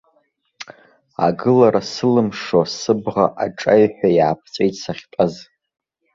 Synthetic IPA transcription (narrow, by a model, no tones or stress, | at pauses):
a̰ɡɨlaɾasɨlɨmʂosɨbʁaʔaʈ͡ʂʼajħʷᶣajaːpʰt͡sʼejtʰʼsaχʲtʼaz